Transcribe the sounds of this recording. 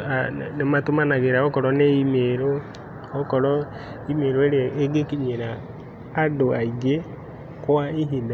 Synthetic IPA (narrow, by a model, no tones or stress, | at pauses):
anematumanaɣeɾaɔkɔɾɔneimeɾo | ɔkɔɾɔ | imeɾoeɾeeɡekiɲeɾaː | doaiɡe | kwaiɦina